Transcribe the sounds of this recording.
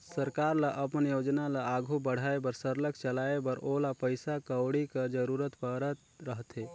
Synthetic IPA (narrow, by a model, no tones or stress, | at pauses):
səɾkaɾləʔəpənjod͡ʒnaləaɡʱubəɽ̤aebəɾsəɾləkt͡ʃəlaebəɾolapəɪsakəwɽikəd͡ʒəɾuɾət̪pəɾət̪ɾəɦt̪e